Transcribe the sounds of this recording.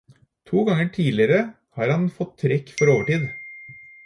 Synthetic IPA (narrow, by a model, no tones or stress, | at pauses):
t̪ʰuːɡɑŋəʈʰiːlɪəɾə | hɑːɾhɑnfɔt̪ʰːɾɛkːfɔɾoːʋəʈiːd̪